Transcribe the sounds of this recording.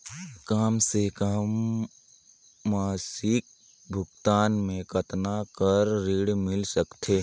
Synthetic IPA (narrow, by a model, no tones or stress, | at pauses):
kaːmsekəm | aːsɪk̚ | bʱʊɡt̪aːnmẽkɐt̪nakəɾːiːɽmɪlsəkt̪ʰeː